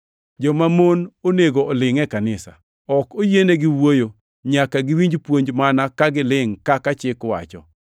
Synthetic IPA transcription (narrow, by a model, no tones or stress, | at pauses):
d͡ʒɔmamononeɡoːlɪŋɛkanɪsa̰ | ɔkojeneɡɪwojo | ɲakaɡɪwiɲd͡ʒpwoɲd͡ʒmanakaɡɪlɪŋkakat͡ʃɪkwa̰t͡ʃɔ̰